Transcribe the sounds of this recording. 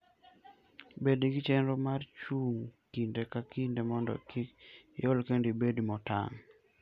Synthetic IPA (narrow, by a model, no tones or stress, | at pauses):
bedɡit͡ʃenɾomart͡ʃuŋkindekakindemɔndɔ̰kikjolkendibedimɔta̰ŋ